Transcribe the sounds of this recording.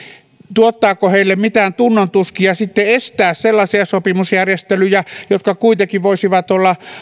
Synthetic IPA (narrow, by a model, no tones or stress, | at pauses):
t̪uot̪ːɑːkoheilːemmit̪æːnt̪unːont̪uskiɑsit̪ːeest̪æːsselːɑsiɑsopimusjærjest̪elyjæjot̪kɑkuit̪ekiʋʋoisiʋɑt̪olːɑ